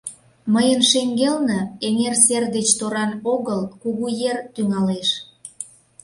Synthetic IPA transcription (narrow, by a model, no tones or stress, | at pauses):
məjənʃeŋɡelnəeŋerserd̪et͡ɕt̪oɾɑnoɣəlkuɣujert̪yŋɑleʃ